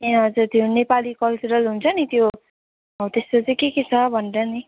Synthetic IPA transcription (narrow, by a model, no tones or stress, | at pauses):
eʌd͡zurt̪jonepalikʌlt͡suɾʌlɦunt͡sʰʌnit̪jo | t̪est̪ot͡sʌĩkeket͡sʰʌbʱʌnɾʌni